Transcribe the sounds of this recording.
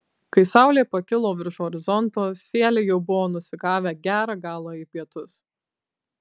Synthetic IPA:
kɐɪsɑˑʊlʲeːpɐkʲɪlˠoːʋʲɪɾʃɔɾʲɪzɔnt̪oːsʲiːɛlʲejɛʊbʊʋoːnʊsʲɪɡɑːʋʲæɡʲæːɾɑːɡɑːlˠɑːipʲiɛt̪ʊs

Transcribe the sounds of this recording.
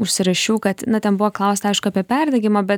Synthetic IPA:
ʊʃʲsʲɪɾɐʃʲuːkɐt̪nʊt̪ʲɛnbʊʋoklˠɐʊsʲt̪ɐɐɪʃkʊɐpʲiɛpʲɛrd̪ʲɐɡʲɪmɐbʲɛt̪

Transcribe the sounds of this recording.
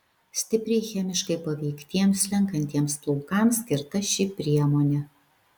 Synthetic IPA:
sʲt̪ʲɪpʲɾʲɛɪxʲɛmʲɪʃkɐɪpɐʋʲɛɪkt̪ʲiɛmslʲɛŋkɐnʲt̪ʲiɛmsplˠʊʊkɑːˑmsʲkʲɪɾt̪ɐʃʲɪpʲɾʲiɛmoːnʲɛ

